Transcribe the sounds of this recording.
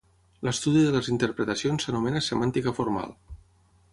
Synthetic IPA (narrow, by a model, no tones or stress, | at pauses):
ləst̪uðiðələzint̪əɾpɾət̪əsionsːənumɛnəsəmant̪ikəfuɾma̰lˠ